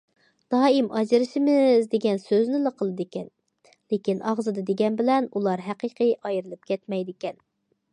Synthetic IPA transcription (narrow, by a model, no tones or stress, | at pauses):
d̪̥ɑːimɑd͡ʒɨɾɨʃɪmɪzd̪eɡʲɛnsøznɪləqʰəlˠɨd̪ɪkʲɛn | lekʲinɑʁzɨd̪ɨd̪eɡʲɛnbɪlɛnulˠɑɾɦæqiqʰɨjʔɑjɾɨlˠɨp̚kʲʰɛt̪mɛjd̪ɪkʲɛn